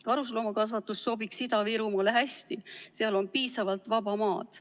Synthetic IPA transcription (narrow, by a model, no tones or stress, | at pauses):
kɑɾus̬lomɑkɑsvɑt̪ːˑusːo̞biksid̪ɑviɾumɑleɦæst̪iseɑlo̞npiːsɑvɑlt̪vɑb̥ɑmɑːd̪̥